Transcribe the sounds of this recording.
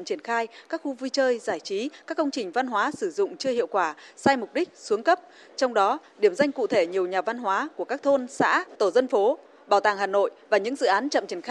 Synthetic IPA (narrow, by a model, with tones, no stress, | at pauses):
t͡ɕi˧˩ənxaː˧jkaː˦˥k̚xu˧vi˧t͡ɕəː˧jzaː˧˩jt͡ɕi˨˦kaː˦˥k̚ːə˧wŋ͡mt͡ɕï˨˩ŋ̟va˧nɦwaː˨˦sɨ˧˩zʊ̰˧˨ŋ͡mt͡ɕɨ˧əhḭ˧˨əwkwaː˧˩saː˧jmʊ˨˩k͡p̚ɗï˦˥k̟̚su˨˦əŋkə˦˥p̚ | t͡ɕɔ˧wŋ͡mɗɔ˨˦ɗi˧˩əmza˧jŋ̟kṵ˧˨t̪ʰe˧˩ɲi˨˩əwɲaː˨˩va˧nɦwaː˨˦ku˧˩əkaː˦˥k̚t̪ʰo˧nsa̰ː˧˥t̪o˧˩zə˧nfo˨˦ | ɓaː˧˩wt̪aː˨˩ŋɦaː˨˩no̰˧˨jvaː˨˩ɲɨ̰˧˥ŋzɨ̰˧˨ʔaː˨˦nt͡ɕə̰˧˨mt͡ɕi˧˩ənx